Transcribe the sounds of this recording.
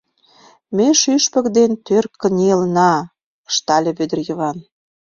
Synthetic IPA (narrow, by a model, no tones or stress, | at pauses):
meʃyʃpə̆kd̪ent̪ørkːə̆nʲelnɑ | ʃt̪ɑlʲĕβød̪ə̆rjə̆βɑn